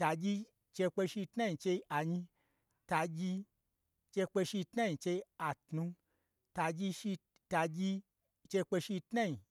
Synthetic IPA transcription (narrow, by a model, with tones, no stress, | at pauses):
ta˧d͡ʒʲi˧ | t͡ʃe˧k͡pe˧ʃi˧tna˦i˧t͡ʃe˧i˧a˨ɲi˧ | ta˧d͡ʒʲi˧ | t͡ʃe˧k͡pe˧ʃi˧tna˦i˧t͡ʃe˧i˧a˨tnu˧ | ta˧d͡ʒi˧ʃi˧ | ta˧d͡ʒʲi˧ | t͡ʃe˧k͡pe˧ʃi˧tna˦i˨